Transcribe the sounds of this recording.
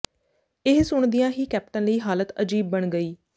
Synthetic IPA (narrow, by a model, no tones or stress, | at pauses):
ɪɦsʊɳd̪ijãːɦiːkɛːp̚ʈə̃nləiːɦaːlət̪əd͡ʒiːb̚ːəɳɡəiː